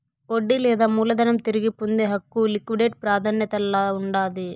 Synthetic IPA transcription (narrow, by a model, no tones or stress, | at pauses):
oɖːilɛːd̪aːmuːlɐd̪ɐnɐmt̪iɾiɡipund̪eɦɐkːulikʋiɖeːʈ̚pɾaːd̪ʰʱɐnjɐt̪ɐlːaːuɳɖaːd̪i